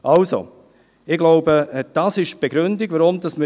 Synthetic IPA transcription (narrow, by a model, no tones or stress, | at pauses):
ʔɑlso̰ | ɪɡlɔʊbəd̥asɪʃb̥eɡ̥ɾʏndɪɡ̥vaɾʊmd̥ɑsmə